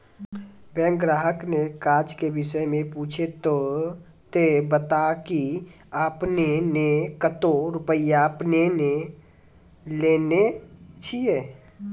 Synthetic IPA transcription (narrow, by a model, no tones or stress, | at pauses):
bɛ̃ːŋkɡɾaːɦəknekaːd͡ʒkebɪʃəjmẽpuːt͡ʃʰet̪o | t̪ebət̪aki | aːpnenekət̪oɾʊpəijapnene | leːnet͡ʃʰie